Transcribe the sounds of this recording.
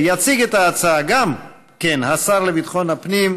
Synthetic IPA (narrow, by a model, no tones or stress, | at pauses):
jat͡siɡet̪aːt͡saaɡam | kenhasaʁlebit̪χo̞nhapnim